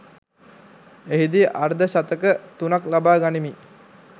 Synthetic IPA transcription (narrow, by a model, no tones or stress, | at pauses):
eɦid̪iʔaɾd̪əʃat̪əkət̪unaklabaːɡanimi